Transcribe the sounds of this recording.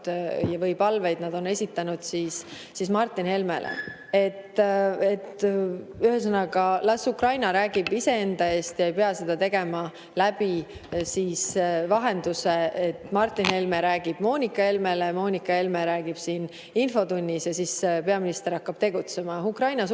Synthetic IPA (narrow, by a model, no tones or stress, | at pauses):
jɑvɤjpɑlve̞jd̪̥nɑd̪̥one̞sʲit̪ːˑɑnud̪̥siːs | sismɑrt̪ˑːinhe̞lme̞̰lḛ | e̞t̪ːet̪ː | yhes̬ɑnɑɡɑlɑsukrɑjnɑɾæːɡ̥ib̥ise̞e̞nd̪̥ɑe̞ːst̪jɑejpeɑse̞d̪̥ɑt̪e̞ɡ̥e̞mɑ | læb̥isiːsvɑɦe̞nd̪̥useet̪ːmɑrt̪ːˑinhe̞lmeɾæːɡ̥ib̥mo̞ːnʲikːˑɑe̞lme̞lemo̞ːnʲikːˑɑe̞lmeɾæːɡ̥ib̥siːn | info̞t̪unʲːisjɑsispe̞ɑminist̪e̞ɾɑkːɑb̥t̪e̞ɡut̪se̞mɑukrɑjnɑs